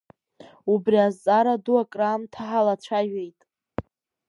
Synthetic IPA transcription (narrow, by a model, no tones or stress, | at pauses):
ubriazt͡sʼaɾaduaɡʼramtʰaħalat͡ɕʷʰaʒᶣejtʼ